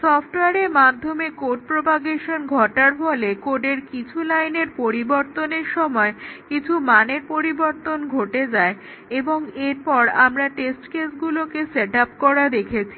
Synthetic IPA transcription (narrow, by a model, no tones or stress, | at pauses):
sɔpʰʈoweaɾeɾmad̪ʱːomekoɖ̚pɾopaɡeʃonɡʱɔʈaɾfɔlekoɖeɾkit͡ɕʰulajneɾpoɾiboɾt̪oneɾʃɔmɔekit͡ɕʰumaneɾpoɾiboɾt̪onɡʱoʈed͡ʑae | eboŋeɾpɔɾamɾaʈesʈkesɡulokeseʈapkɔɾad̪ekʰet͡ɕʰi